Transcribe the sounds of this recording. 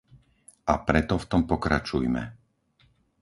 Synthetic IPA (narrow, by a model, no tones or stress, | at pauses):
apɾɛt̪ɔft̪ɔmpɔkɾa̰t͡ʃujmɛ̰